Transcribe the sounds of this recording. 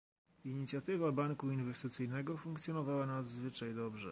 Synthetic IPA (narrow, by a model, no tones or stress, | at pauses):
iɲit̪sʲjat̪ɘvabaŋkuinvɛst̪ɘt̪sɘjnɛɡɔfuŋkt̪sʲjɔnɔvawanad̪zvɘt͡ʂajd̪ɔbʐɛ̰